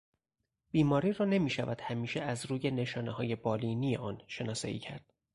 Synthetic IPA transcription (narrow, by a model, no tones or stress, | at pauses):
b̥iːmɒːɾiːrɒːne̞miːʃævæd̪̥hæmiːʃeæzɾuːje̞ne̞ʃɒːnehɒːje̞bɒːliniːeʔɒːnʃe̞nɒːsɒ̰ːḭːcʰæ̰ɾd̪̥